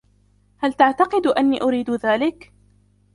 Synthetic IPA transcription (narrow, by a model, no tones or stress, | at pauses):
halt̪aʕt̪ɑqɨd̪ʔanːiːʔʊɾiːd̪ðaːlɪk